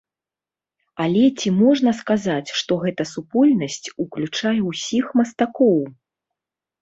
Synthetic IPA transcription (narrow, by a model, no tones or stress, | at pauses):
alʲɛt͡sʲimɔʐn̪ɐskazat͡sʲʂt̪ɔɣɛt̪ɐsupɔlʲnɐsʲt͡sʲuklʲut͡ʂajɛwsʲixmɐst̪akɔw